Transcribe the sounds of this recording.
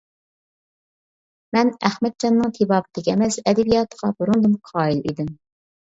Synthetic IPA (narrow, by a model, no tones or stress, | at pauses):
mɛnæχmɛt̪̚d͡ʒɑnːɨŋt̪ʰebɑːbɨt̪ʰːɛkʲɛmɛsɛd̪ɛbijɑt̪ʰə̥qɑbuɾund̪ɨmqʰɑːilḭd̪ɪm